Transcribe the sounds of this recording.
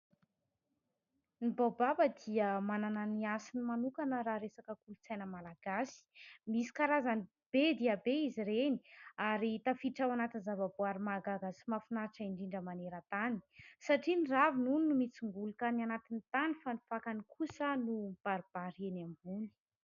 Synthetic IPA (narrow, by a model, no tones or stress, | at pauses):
nibababəd̪iəmanananiasinimanukanəɾaɾesakəkulut͡sajnəmalaɡ̥asi̥misi̥kaɾazani | b̥ed̪iabeiziɾeni̥aɾit̪afiʈ͡ʂawanat̪inzavaboaɾimaɡaɡasimafinaʈ͡ʂəiɳɖ͡ʐiɳɖ͡ʐəmaneɾət̪ani̥saʈ͡ʂiniravinunnumit͡siŋɡulukanianat̪init̪anifanifakanikʰusənub̥aɾib̥aɾenambuni̥